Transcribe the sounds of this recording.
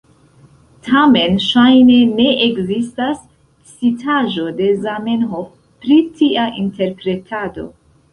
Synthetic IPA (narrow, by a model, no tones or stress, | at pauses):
tʰame̞nʃajne̞ne̞ʔekzistas | t͡sitʰaʒo̞de̞zamenɦof | pɾitiaʔinte̞ɾpɾe̞tʰado̞̰